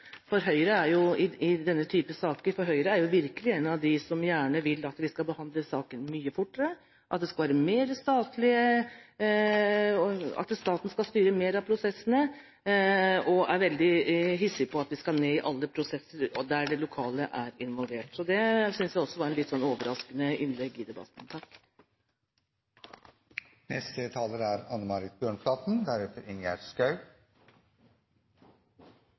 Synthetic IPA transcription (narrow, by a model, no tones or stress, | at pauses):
fɔɾɦœʏɾəæɾjʊɪɪd̪ɛnːət̪ʰyːpəsɑːkəɾfɔɾɦœʏɾəæɾjʊʋɪɾkəlɪeːnɑʋd̪ɪsɔmjæːɳəʋɪlːɑt̪ʋɪskɑbəhɑnd̪ləsɑːkənmyːəfʊʈːəɾə | ʔɑt̪̚d̪ɛskɑlʋæːɾəmeːɾəst̪ɑːt̪lɪə | ɑ̰t̪st̪ɑːt̪n̩skɑlst̪yːɾəmeːɾɑpʰɾʊsɛsːənə | ɔʔæɾʋɛld̪ɪɦɪsːɪpʰɔɑt̪ʋɪskɑneːɪʔɑlːəpʰɾʊsɛsːəɾɔd̪æɖɛlʊkʰɑːləʔæɾɪnʋɑlʋeːʈsɔd̪ɛsʏnsjæɪɔsːɔʋɑɾɛnlɪt̪ːsɔnːoːʋəɾʔɑskənəʔɪnlɛɡːɪd̪ɛbɑ̰t̪nt̪ʰɑk | nɛst̪ət̪ʰɑːləɾæɾɑnːəmɑɾɪt̪̚bjøːɳplɑːt̪n̩d̪æɾɛft̪əɾɪŋæ̰ɾskɑʉ